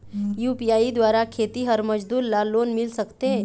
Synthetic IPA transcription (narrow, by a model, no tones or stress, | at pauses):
jupijaid̪ʋaɾakʰet̪iɦəɾməd͡ʒd̪uːɾlalonmilsəkt̪e